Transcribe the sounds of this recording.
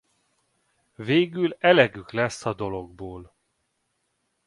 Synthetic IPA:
veːɡylɛlɛɡyklɛsːɒd̪o̞lo̞ɡ̚boːl

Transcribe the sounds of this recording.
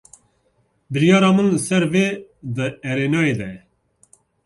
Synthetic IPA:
bɨɾjɑːɾɑːmənləsɛɾveːd̪ɨɛɾeːnɑːeːd̪ɛjɛ

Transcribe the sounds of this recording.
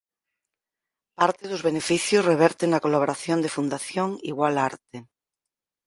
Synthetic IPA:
paɾt̪eðozβenefiθjozreβ̞ɛɾt̪enakolaβ̞oɾaθjond̪efund̪aθjoŋḭɣwalaɾt̪e

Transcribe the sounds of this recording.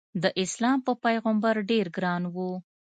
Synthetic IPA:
d̪əʔɪslɑmpəpajɣəmbaɾɖeɾɡɾɑnwu

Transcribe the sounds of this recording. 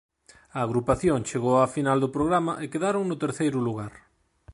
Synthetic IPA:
ɐːɣɾupaθjoŋt͡ʃeɣowafinald̪ʊpɾoɣɾamɐʔekeðaɾoŋnʊt̪eɾθejɾʊluɣaɾ

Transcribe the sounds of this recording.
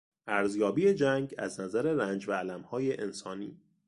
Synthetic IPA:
ʔæɾzjɒːbiːe̞d͡ʒæŋɡæ̰znæzæɾeɾænd͡ʒvæːlæmhɒːjeʔensɒːniː

